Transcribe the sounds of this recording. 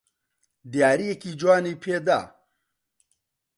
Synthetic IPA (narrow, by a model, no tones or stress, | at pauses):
d̪jaːɾijekiːd͡ʒwaːniːpʰeːd̪a̰ː